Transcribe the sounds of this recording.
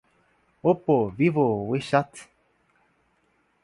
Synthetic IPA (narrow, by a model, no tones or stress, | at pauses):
opovivoweʃat̪